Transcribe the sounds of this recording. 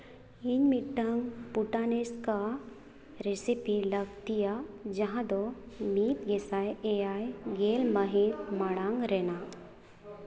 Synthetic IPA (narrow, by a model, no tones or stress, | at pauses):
inmiʈːaŋɡpuʈaneska | ɾesipilɐɡt̪ijad͡ʒɐɦãd̪ɔmit̪ɡesajejajɡelmaɦit̪maɽãŋɡɾɛna